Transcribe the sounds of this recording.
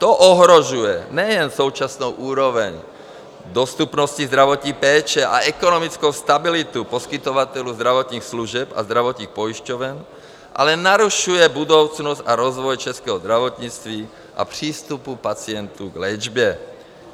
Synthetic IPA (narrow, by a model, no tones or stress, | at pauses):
t̪ɔʔɔɦɾɔʒujɛɲɛjɛnsɔʊt͡ʃasnuʊʔuːɾɔʋɛɲ | d̪ɔst̪upnɔscizd̪ɾaʋɔt̪ɲipɛːt͡ʃɛʔaɛkɔnɔmit͡skuʊst̪abilit̪upɔskit̪ɔʋat̪ɛluzd̪ɾaʋɔt̪niːxsluʒɪɛpa̰zd̪ɾaʋɔt̪niːxpɔiʃcɔʋɛn | ʔa̰lɛnaɾuʃujɛbud̪ɔʊt͡snɔzaɾɔzʋɔjt͡ʃɛskɛɦɔzd̪ɾaʋɔt̪ɲiːt͡st̪ʋi | ʔa̰pr̥iːst̪upupat͡sɪɛnt̪uɡlɛd͡ʒbɛ